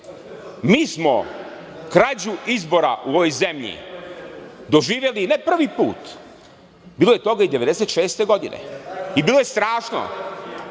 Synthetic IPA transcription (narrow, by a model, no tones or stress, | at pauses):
miːsmo | kɾad͡ʑuizbo̞ɾa̰ʔuoʋo̞jzemʎḭ | d̪o̞ʒiːʋje̞linepr̩ʋipuːt̪ | biːlˠojet̪o̞ɡaid̪eʋe̞d̪eset̪ʃeːst̪e̞ɡo̞d̪ḭnḛibiːlo̞jest̪ɾaːʃno̰